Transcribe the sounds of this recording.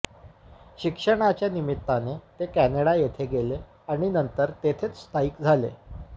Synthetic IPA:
ɕikʂəɽ̃at͡ɕjanimit̪ːanet̪ekæneɽajet̪ʰeɡele | aɽ̃inənt̪əɾt̪et̪ʰet͡sst̪ʰaiːkd͡zʱalḛ

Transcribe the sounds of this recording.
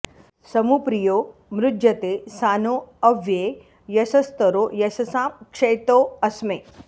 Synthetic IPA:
sɐmupɾijoːmɾʊd̪d͡ʒ̪jɐt̪eːsaːnoːɐʋjeː | jɐsɐst̪ɐɾoːjɐsɐsaːmkʂeːt̪oːɐsmeː

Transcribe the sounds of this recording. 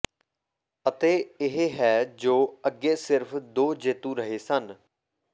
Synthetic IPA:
ət̪eːɪɦeɦɛːd͡ʒoːəɡːeːsɪɾpʰd̪oːd͡ʒeːt̪ũːɾəɦeːsən

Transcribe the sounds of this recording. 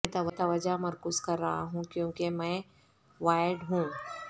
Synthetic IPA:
ɛ̃t̪ɐʋɐt̪aʋɐd͡ʒamɐɾkʊzkɐɾːɐɦaɦũkjõːkemɛ̃ː | ʋaːɪɖɦũː

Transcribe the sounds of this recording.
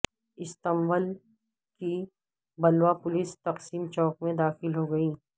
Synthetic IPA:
ɪst̪ɐmʋəl | ki | bɐlwapʊlɪst̪ɐqsiːmt͡ʃɔːkmẽd̪aːxɪlɦoɡɐiː

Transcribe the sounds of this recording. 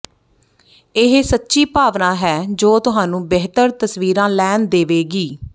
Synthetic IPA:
ɪɦsətːʃiːpaːʋnãːɦɛːd͡ʒoːt̪ʊɦaːnũːbeɦt̪əɾt̪əsʋiːɾãːlɛːnd̪eːʋeːɡiː

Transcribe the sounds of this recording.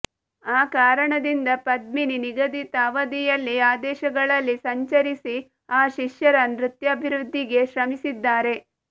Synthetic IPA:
aːkaːɾɐɳɐd̪ind̪ɐpɐd̪̚mininiɡɐd̪it̪aːʋɐd̪ijɐlːiaːd̪ɛːʃɐɡɐɭɐlːisɐɲt͡ʃɐɾisi | aːʃiʃjɐɾɐnɾut̪jɐːbʱiɾud̪ʱːiɡe̞ʃɾɐmisid̪ːaːɾe̞

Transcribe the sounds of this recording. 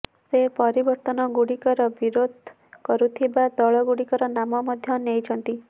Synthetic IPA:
sepɔɾibɔɾt̪ɔnɔɡuɽikɔɾɔbiɾod̪ʱ | kɔɾut̪ʰibad̪ɔɭɔɡuɽikɔɾɔnamɔmɔd̪ʱjɔnejt͡ʃʰɔnt̪i

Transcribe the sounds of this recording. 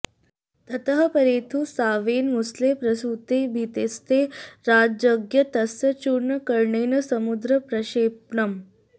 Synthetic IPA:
t̪ɐt̪ɐɦɐpɐɾeːt̪ʰusaːʋeːnmusleːpɾɐsuːt̪eːbʱit̪est̪eːɾaːd͡ʒɐɡjɐt̪ɐsɐt͡ʃuɾɳɐkɐɾɳeːnɐsɐmud̪ɾɐpɾɐʃeːpɳɐm

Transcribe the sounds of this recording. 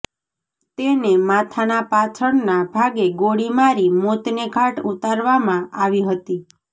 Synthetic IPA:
t̪enemat̪ʰanapat͡ʃʰəɳnabʱaɡeɡoɽimaɾimot̪neɡʱaʈut̪aɾʋamãaʋiɦət̪i

